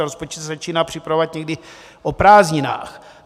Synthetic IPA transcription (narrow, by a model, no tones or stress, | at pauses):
ɾospot͡ʃɛszat͡ʃiːnaːpr̥ɪpɾavovat̪̚ɲɛɡdɪ | ʔopɾaːzɲɪna̰ːx